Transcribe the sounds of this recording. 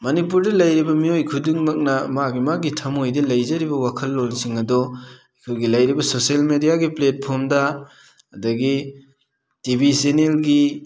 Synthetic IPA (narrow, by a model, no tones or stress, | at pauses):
mɐnipuɾdɐlɐjɾibɐmiojkʰudiŋmɐk̚nɐmaɡimaɡitʰɐmojdɐlɐjzɐɾibɐwakʰɐlːolsiŋɐdɔ | kʰojɡilɐjɾibɐsoselmedijaɡiplet̚pʰoɾmdɐ | ɐdɐɡi | tibisenelɡi